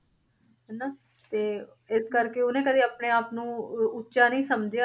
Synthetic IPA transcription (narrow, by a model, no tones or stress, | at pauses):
ɦɛnaː | t̪eː | ɪskəɾkeːʊnẽːkəd̪iːaːpneːaːpnũːʊtːʃaːnəĩːsəmd͡ʒja